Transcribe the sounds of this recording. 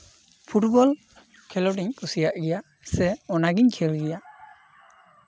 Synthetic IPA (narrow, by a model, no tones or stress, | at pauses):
pʰuʈbɔl | kʰɛlɔʈiɲkʰusijaʔɡija | sɛɔnaɡinkʰɛlɡija